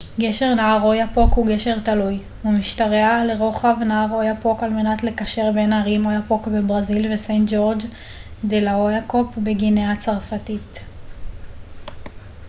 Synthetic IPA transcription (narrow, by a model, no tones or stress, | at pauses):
ɡe̞ʃe̞ʁnaaʁo̞japo̞khuɡe̞ʃe̞ʁtaluj | umiʃtaʁeale̞ʁo̞χavnaaʁo̞japo̞kalme̞natle̞kaʃe̞ʁbe̞naʁimojapo̞kbebʁazilvesentd͡ʒo̞ʁd͡ʒ | d̪elaojako̞pbeɡineat͡saʁfatit